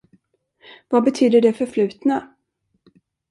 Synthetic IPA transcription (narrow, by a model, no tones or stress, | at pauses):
vabɛt̪ʰyːd̪əɖɛfœɾflʉ̟ːt̪na